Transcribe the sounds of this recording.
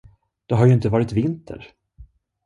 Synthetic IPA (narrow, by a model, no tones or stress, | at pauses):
d̪̥ɛɦaɾjɵɪnt̪əvɑːɾɪt̪vɪnt̪ʰə̰ɾ